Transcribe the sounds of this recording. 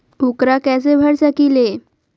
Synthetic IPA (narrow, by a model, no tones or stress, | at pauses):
ukɾakɛt͡sebʱəɽsəkile